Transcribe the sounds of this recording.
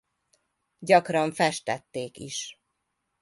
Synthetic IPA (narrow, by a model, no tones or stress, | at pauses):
ɟɒkrɒɱfɛʃt̪ɛt̪ːeːkḭʃ